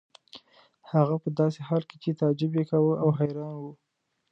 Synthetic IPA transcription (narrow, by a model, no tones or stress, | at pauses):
haɣapəd̪ɑsehɑlket͡ʃet̪ɑd͡ʒɪbjekawəʔawɦajɾɑnwu